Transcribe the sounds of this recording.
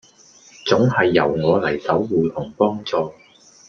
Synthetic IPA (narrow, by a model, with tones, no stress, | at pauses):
t͡sʊ˨˥ŋhɐ˨jːɐ˨˩wŋɔː˨˧lɐ˨˩jsɐ˨˥wːuː˨˧t̪ʰʊ˨˩ŋpɔː˥ŋt͡sɔː˨